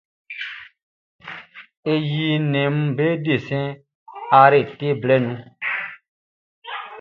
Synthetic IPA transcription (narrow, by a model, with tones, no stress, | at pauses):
e˨ji˨nɛ̃˨m̩˦be˦de˨sɛ̃˦ | a˨˧ɾe˨te˦blɛ˦nũ˦